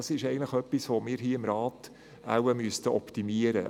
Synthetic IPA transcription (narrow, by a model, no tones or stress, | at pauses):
ɑsɪʃɛɪɡən̩tləχœpːisʋomiːɾɦiːɪmɾɑːt | a̰wəmyəst̪əʔɔptimiəɾə̰